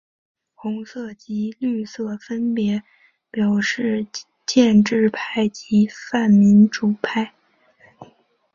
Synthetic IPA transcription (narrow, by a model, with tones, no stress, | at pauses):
xʊ˧˥ŋsɤ˥˩t͡ɕi˧˥ly˥˧sɤ˥˩fə˥npjɛ˧˥ | pjɑ˨˩ʊʂɻ̩˥˧ | t͡ɕjɛ˥˧nʈ͡ʂɻ̩˥˧pʰa˥˩ɪt͡ɕi˧˥fa˥˩nmi˧˥nʈ͡ʂu˨˩pʰa˥˩ɪ